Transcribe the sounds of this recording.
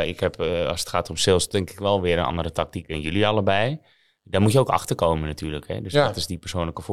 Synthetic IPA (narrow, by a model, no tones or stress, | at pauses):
ɪkhɛpɑ̰sə̥txaːtomsɪlˠstɛŋkɪkʋɛlˠʋɪəɾənʔɑ̰ndəɾətak̚tikɛnjøliɑlˠəbɛj | dɔmutjəowkɑ̰xtərkoːmənatyːrləkhɛ̰døsdɔtɪsdipərsoːnləkəf